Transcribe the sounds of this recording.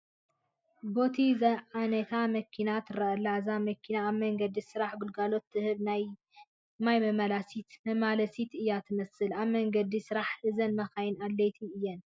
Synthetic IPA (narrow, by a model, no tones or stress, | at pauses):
bo̞t̪ʰizɐʕanɐt̪ʰamɐkʰinat̪ʰɨɾɐʔɐlːazamɐkʰinaːβmɐŋɡɐd̪isɨɾaħɡulɡalo̞t̪ʰːɨhɨβnaj | majmɐmalasit̪mɐmalɐsit̪ɨjːat̪ʰɨmɐsɨlaβmɐŋɡɐd̪isɨɾaħʔɨzɐnmɐxajɪnalːet̪ʰiɨjːɛn